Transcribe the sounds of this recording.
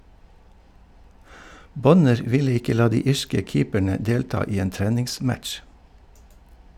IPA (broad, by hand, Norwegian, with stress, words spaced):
ˈbɔnəɾ ˈʋɪlə ˈɪkə ˈlɑː ˈdiː ˈiːʃkə ˈkiːpæɳə ˈdeːltɑː ˈiː ˈeːn ˈtɾɛnɪŋˌsmætʃ